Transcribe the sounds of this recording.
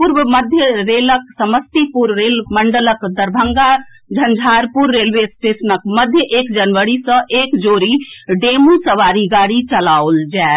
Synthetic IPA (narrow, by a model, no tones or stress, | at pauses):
puɾʋəməd̪ʱjəɾeːləksəməst̪ipuɾːeːlməɳɖələkd̪əɾbʱəŋɡa | d͡ʒʱənd͡ʒʱaːɾpuɾːeːlʋespɾesnəkməd̪ʱjəʔeːkd͡ʒənʋəɽisə̃ʔeːkd͡ʒoːɾiɖeːmusəʋaːɾiɡaːɽit͡ʃəlaold͡ʒae